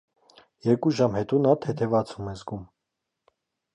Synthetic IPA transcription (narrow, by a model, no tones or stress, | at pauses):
jɛɾkuʒɑmhɛt̪unɑt̪ʰɛt̪ʰɛvɑt͡sʰumɛzɡum